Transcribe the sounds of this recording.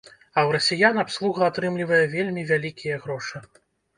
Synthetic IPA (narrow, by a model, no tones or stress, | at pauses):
ɐwɾɐsʲijanapslˠuɣɐat̪ɾɨmlʲivɐjɛvʲelʲmʲivʲalʲikʲijɐɣɾɔʂɨ